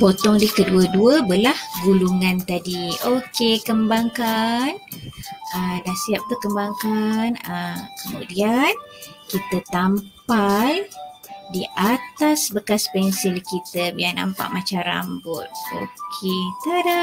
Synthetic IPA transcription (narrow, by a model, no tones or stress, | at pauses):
pot̪ɔŋlihkəduəduəbəlahɡuluŋant̪adiokekəmbaŋkan | ədahsiap̚t̪ukəmbaŋkanəmkəmṵdian | kit̪ət̪ampaldiʔat̪asbəkaspɛnsilkit̪əbiana̰mpa̰ʔmat͡ʃaɾa̰mbʊt̪̚o̰kʰet̪əda